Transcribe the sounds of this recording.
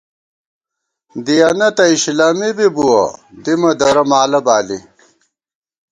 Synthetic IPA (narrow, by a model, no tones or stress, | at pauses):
d̪ijɐnɐt̪ɐiɕlaːmibibuwɐ̰d̪imɐd̪ɐɾɐmaːlɐbaːli